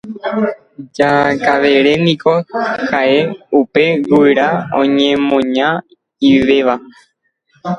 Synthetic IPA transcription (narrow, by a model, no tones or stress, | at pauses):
d͡ʒakaʋe̞ɾe̞nĩkohaʔe̞upe̞ɡujɾaõ̰ɲẽmõ̞ɲã | iʋe̞ʋa